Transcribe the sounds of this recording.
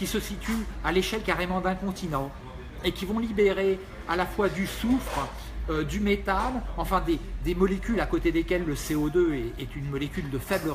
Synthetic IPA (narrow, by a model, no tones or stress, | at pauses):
kʲisəsit̪yaleʃɛlkaʁemɑ̃d̪ɛ̃kɔ̃t̪inɑ̃ | ekʲivɔ̃libeʁe | alafwad̪ysufχə | ød̪ymet̪alɑ̃fɛ̃d̪ed̪emɔlekʲylakot̪ed̪ekʲɛlːəseod̪øɛɛt̪ynmɔlekʲyld̪əfɛblə